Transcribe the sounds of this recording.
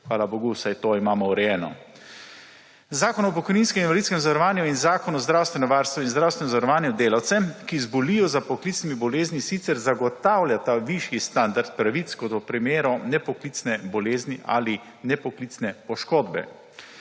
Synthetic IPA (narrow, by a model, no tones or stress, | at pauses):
xʋaːlaboːɡusajt̪oːimaːmɔwɾɛjɛːnɔ̰ | zaːkɔnɔp̬ɔkɔjniːnskɛminʋalid̪skɛmzaʋaɾɔʋaːnjuinzaːkɔnuɔzd̪ɾawst̪ʋɛnɔʋaːɾst̪ʋɔinzd̪ɾawst̪ʋɛnɔzaʋɾɔʋaːnjud̪eːlawt̪sɛkizbɔlijɔzapɔklit̪snimibɔleːznʲisit̪sɛɾzaɡɔt̪awljat̪aʋiʃjist̪and̪aɾt̪̚pɾaʋit̪skɔt̪ɔpɾimeːɾɔnɛpɔklit̪snɛbɔleːzniʔa̰li | nɛpɔklit̪snɛpɔʃkoːd̪bɛ̰